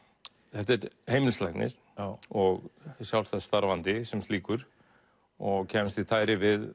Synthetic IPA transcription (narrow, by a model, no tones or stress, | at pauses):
θɛht̪ɛɾheːjmɪlslajkt̪nɪ̰ɾ̥ | ɔɣsjawlstθast̪aɾvant̪ɪsɛmt̪liːkʏɾ̥ | ɔɣcʰɛːmst̪iθaːjɾɪvɪð